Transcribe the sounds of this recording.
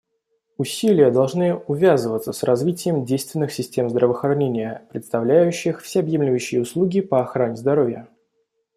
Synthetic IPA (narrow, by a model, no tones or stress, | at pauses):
ʊsʲilʲɪjəd̪ɐlˠʐnɨʊvʲazəvət̪səsrɐzvʲitʲɪjəmdʲejst̪vʲɪnːɨxsʲɪsʲtʲe̞mzd̪ɾəvəxɾɐnʲenʲɪjəpɾʲɪt̪st̪ɐvlʲæjʉɕːɪxfsʲeɐbjemlʲɪvɕːɪjəʊslˠuɡʲɪpəɐxɾanʲɪzd̪ɐɾovʲjə